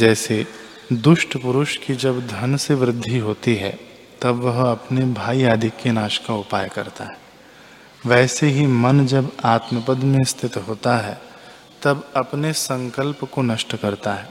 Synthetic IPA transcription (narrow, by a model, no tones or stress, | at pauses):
d͡ʒɛːse | d̪ʊʃʈpʊɾʊʃkid͡ʒɐbd̪ʱɐnseʋɾɪd̪ʱːiɦoːt̪iɦɛ̰ | t̪ɐbʋɐɦɐpnebʱaːijaːd̪ikːenaːʃkaʊpaːjkɐɾt̪aɦɛː | ʋɛːseɦimɐnd͡ʒɐbaːt̪məpəd̪mẽst̪ʰɪt̪ɦoːt̪aɦɛ | t̪ɐbɐpnesɐ̃ŋkəlpkonɐʃʈkɐɾt̪aɦɛː